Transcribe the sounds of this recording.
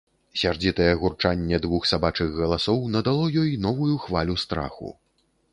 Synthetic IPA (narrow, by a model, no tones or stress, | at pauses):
sʲard͡zʲit̪ɐjɛɣurt͡ʂanʲːɛd̪vuxsabat͡ʂɨɣɣɐlˠasɔwnɐd̪alˠɔjɔjnɔvujuxvalʲust̪ɾa̰xṵ